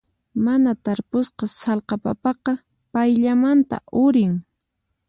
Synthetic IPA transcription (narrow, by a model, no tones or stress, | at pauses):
manat̪aɾpʊsqɑsɑlqɑpapɑqɑ | pajʎamant̪a̰ʔʊɾɪŋ